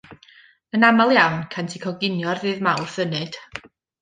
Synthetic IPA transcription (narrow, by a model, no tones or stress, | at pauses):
ənamalˠjawnkʰantʰɪkʰɔɡɪnjɔrðɨːðmawrθənɨd̥